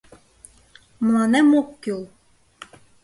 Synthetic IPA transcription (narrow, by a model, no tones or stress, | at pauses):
mlˠɑnɛmokʲːulˠ